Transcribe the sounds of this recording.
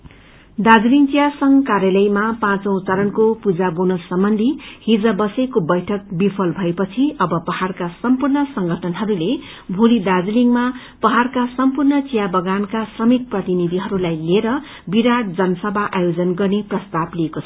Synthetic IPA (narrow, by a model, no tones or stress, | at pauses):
d̪ad͡zliŋt͡sijasʌŋkarjalʌjmapãt͡sõw̃t͡sʌɾʌnkopud͡zabonʌsʌmbʌnd̪ʱihid͡zʌbʌsekobʌjʈʰʌk̚bipʰʌlbʱʌepʌt͡sʰiʔʌbʌpʌharkasʌmpurnʌsʌŋɡʱʌʈʰʌnɦʌɾule | bʱulid̪ad͡zliŋma | pʌɦarkasʌmpurnʌt͡sijabʌɡankasrʌmit̪̚prʌt̪inid̪ʱiɦʌɾulajleɾʌ | biɾaʈ̚d͡zʌnʌsʌbʱaʔajod͡zʌnɡʌrneprʌst̪abliekot͡sʰʌ